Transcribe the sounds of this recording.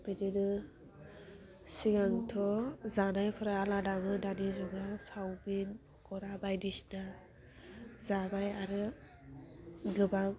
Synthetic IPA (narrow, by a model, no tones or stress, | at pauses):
bidinɯ | siɡaŋtʰɔzanajpʰɯɾaːladamɯdanizɔɡasawbinɔkʰɔɾabajdisna | zabajaɾɯ | ɡɯba